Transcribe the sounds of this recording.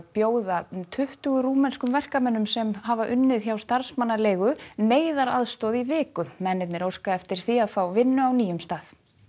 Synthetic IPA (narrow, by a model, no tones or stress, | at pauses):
pjoːwðat̪ʰʏht̪ʏɣʏɾuːmɛnskʏmvɛr̥kamɛnːʏmsɛmhavaʔʏnːɪðçawst̪aɾ̥smanːalejɣʏneːjðaɾaðst̪ɔðivɪːkʏmɛnːɪt̪nɪɾowskaɛft̪ɪɾ̥θiaðfawvɪnːʏawniːjʏmst̪aːð̥